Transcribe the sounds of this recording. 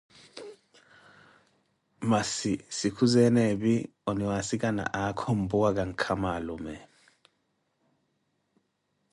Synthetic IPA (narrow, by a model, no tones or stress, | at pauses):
masisikʰuzɛnɛɓi | ɔniwasikʼana̰ʔakʰombuwak̬ʼaŋkʰamalɔmɛ